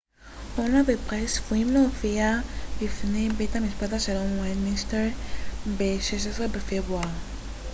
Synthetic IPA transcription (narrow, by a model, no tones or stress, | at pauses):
onabepʁesfuimleofiabifnebejtamiʃpat̪aʃelonwajnminsteɾbeʃeʃesʁebefebʁua